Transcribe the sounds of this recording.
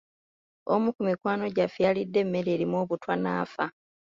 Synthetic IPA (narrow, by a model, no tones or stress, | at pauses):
omukumikwaːno̞ɟafealidːe̞mːe̞ɾe̞ːɾimoːβutwana̰ːfa